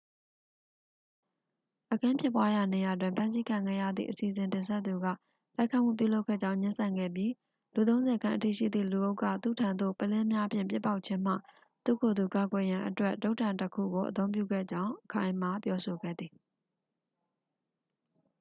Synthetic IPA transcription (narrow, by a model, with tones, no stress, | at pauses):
ʔəkʰã˦pʰjɪ˦pwa˦ja˨ne˨ja˨t̬wɪ̃˨mpʰã˦nsi˦kʰã˨ŋɡɛ̰˦˨jä̰˦˨d̪ðḭ˦˨ʔəsi˨əzɪ̃˨ntɪ̃˨sɛ˦t̪t̪ːu˨ɡä̰˦˨ | la˦ɪkʰã̰˦˨m̥ṵ˦˨pjṵ˦˨lo˦ʊkʰːɛ̰˦˨d͡ʑã˦ʊ̃ɲɪ̃˦nsã˨ŋɡɛ̰˦˨bji˦ | lu˨t̪õ˦ʊ̃nzɛ˨kʰã˦ʔətḭ˦˨ʃḭ˦˨d̪ðḭ˦˨lu˨ʔo˦ʊkːä̰˦˨t̪ṵ˦˨tʰã˨nd̪o̰˦˨pəlɛ̃˦mja˦ʔəpʰjɪ̰̃˨mpjɪ˦pːa˦ʊʔ̚t͡ɕʰɪ̃˦m̥a̰˦˨ | t̪ṵ˦˨kʰo˨d̪u˨ka˨ɡwɛ˨jã˨ʔətwɛ˦ʔto˦ʊtʰã˨ntəkʰṵ˦˨ɡo˨ʔət̪̬õ˦ʊ̃pjṵ˦˨ɡɛ̰˦˨d͡ʑã˦ʊ̃ʔəkʰã˦ɪ̃ma˨pjɔ˦so˨ɡɛ̰˦˨d̪ði˨